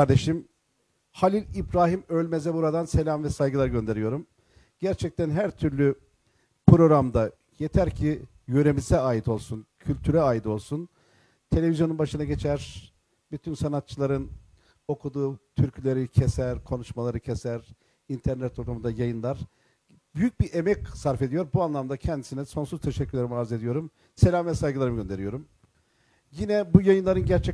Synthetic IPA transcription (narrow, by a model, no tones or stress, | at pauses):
kʰaɾd̪e̞ʃim | halʲilʲibɾaːɦimølʲmezɛbuɾad̪anse̞lʲamvɛsajɡɯlˠaɾɟø̞nd̪e̞ɾijo̞ɾum | ɟæɾt͡ʃʰɛc̚t̪ʰænɦæɾt̪ʰyɾlʲy | pɾo̞ɾamd̪a | je̞t̪ʰæɾcʰi | jøɾemizɛaːjit̪ʰo̞lˠsuncʰylʲt̪ʰyɾɛaːjid̪o̞lˠsun | t̪ʰe̞lʲevizjonunbaʃɯnaɟe̞t͡ʃʰæɾ̥ | byt̪ʰynsanat̪̚t͡ʃʰɯlˠaɾɯn | o̞kʰud̪uːt̪ʰyɾcʰylʲe̞ɾicʰesæɾkʰo̞nuʃmalˠaɾɯcʰesæɾ | int̪ʰæɾnɛt̪ʰːolˠumund̪ajajɯnlˠaɾ̥ | byjyc̚biʔemɛcsaɾfed̪ijo̞ɾbuanlˠamd̪acʰɛnd̪isinɛso̞nsuzt̪ʰeʃɛcːyɾlʲeɾimaɾze̞d̪ijo̞ɾum | se̞lʲaːmvɛsajɡɯaɾɯmɯɟø̞nd̪e̞ɾijo̞ɾum | jinɛbujajɯnlˠaɾɯnɟæɾt͡ʃʰɛ